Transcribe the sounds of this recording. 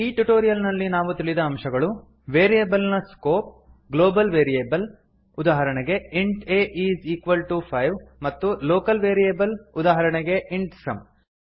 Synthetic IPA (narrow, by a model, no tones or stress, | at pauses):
iːʈuʈoːɾijɐlnɐlːinaːʋut̪iɭid̪ɐːmʃɐɡɐɭu | ʋeːɾijeːbɐlnɐskoːp̚ | ɡloːbɐlʋeːɾijeːbɐl | ud̪aːɦɐɾɐɳɛɡe̞iɳʈeːʔiːziːkʋɐlʈupʰɐjʋmɐt̪ːuloːkɐlʋeːɾijeːbɐlud̪aːɦɐɾɐɳeɡe̞ʔiɳʈsɐ̰m